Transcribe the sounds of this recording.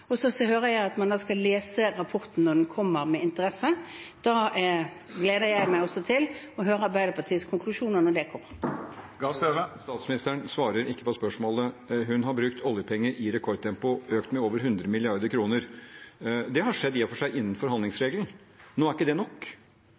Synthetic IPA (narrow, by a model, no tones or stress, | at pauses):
ɔsɔsɔɦøːɾəjæɪɑt̪mɑnd̪ɑːskɑleːsəɾɑpʰɔɾt̪n̩nɔɖ̪ɛnkʰɔmːəɾmɛɪnt̪əɾɛsəd̪̥ɑː | ɡleːd̪əɾjæɪmæɪɔsːɔt̪ʰɪl | ɔɦøːɾəbæɪd̪əpʰɑt̪ʰiːəskʰʊŋkʰlʉʂuːnənɔɖɛkʰɔmːəɾɡɑsøʋəst̪ɑːt̪smɪnɪst̪əɳsʋɑːɾəɾɪkːəpɔspœʂmoːləɦʉnɦɑɾbɾʉk̚t̪ʰɔljəpʰɛŋːəɾʔɪɾɛkʰɔɾ̚t̪ʰɛmpʊøːkt̪mɛoːʋəɾɦʉnd̪ɾəmɪlɪɑɾd̪əɾkʰɾuːnəɾ | d̪ɛɦɑʂɛd̪ːfɔʂæɪʔɪnːənfɔɾhɑnd̪lɪŋsɾeːɡln̩ | noːæɾɪkːəd̪ɛnɔkː